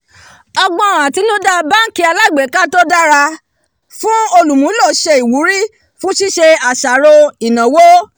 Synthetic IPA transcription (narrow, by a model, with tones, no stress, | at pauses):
ɔ˧ɡ͡bɔ̃˧˨ɾ̃ã˨ti˨˦nũ˦da˦ba˦ki˧˦a˧la˦i˨ɡ͡be˨˦ka˦to˦da˦ɾa˧ | fũ˦o˧lũ˨mũ˨˦lɔ˦˨ʃe˧i˨wu˨˦ɾi˦ | fũ˦si˦ʃe˧a˨ʃa˨ɾo˧i˨nã˨wo˦